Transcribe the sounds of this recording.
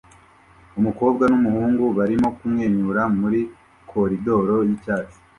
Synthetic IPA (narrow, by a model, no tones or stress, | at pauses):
umuko̞ːbɡanumuhuːŋɡuβaɾimo̞kumŋeːɲuɾamuɾi | kʰo̞ɾido̞ːɾo̞jicaːt͡ʃi̥